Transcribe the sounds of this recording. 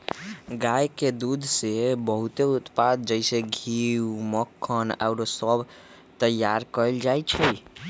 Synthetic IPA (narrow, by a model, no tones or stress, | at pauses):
ɡajked̪ud̪ʱsebəɦut̪eut̪pad̪̚d͡ʒəɪseɡʱiwməkʰːəna̰ʊɾosəbʱ | t̪əjːaɾkəld͡ʒajt͡ʃʰəj